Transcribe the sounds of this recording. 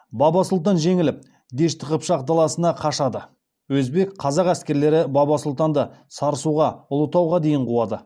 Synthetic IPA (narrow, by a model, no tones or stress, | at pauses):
bɑbɑsʊlˠt̪ɑnʒe̞ŋɪlɪp̚ | d̪e̞ʃt̪ʰəʁəpʃɑqd̪ɑlˠɑsənɑqʰɑʃɑd̪ə | wɵzbe̞kqʰɑzɑqæskʲe̞ɾle̞ɾɪbɑbɑsʊlˠt̪ɑnd̪əsɑɾəsuʁɑʊlˠət̪ɑwʁɑd̪e̞jɪɴqʰuwɑd̪ə